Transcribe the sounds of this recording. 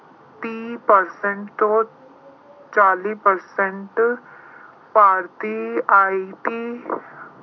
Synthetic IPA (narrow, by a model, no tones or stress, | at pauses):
t̪ĩːpəɾsɛ̃ɳʈt̪õ | t͡ʃaːliːpəɾsɛ̃ɳʈ | paːɾt̪iaːit̪i